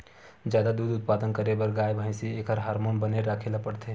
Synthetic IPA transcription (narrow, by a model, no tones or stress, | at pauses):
d͡ʒjaːd̪ad̪uːd̪ʊt̪̚paːd̪ənkəɾebəɾɡaːjbʱaɪsieːkɦəɾɦaːɾmoːnbəneɾaːkʰelapəɽt̪e